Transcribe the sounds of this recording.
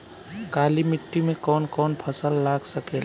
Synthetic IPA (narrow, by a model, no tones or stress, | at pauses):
ɡalimiʈːimekɔːnkɔːnpʰəsəlːaɡsəkel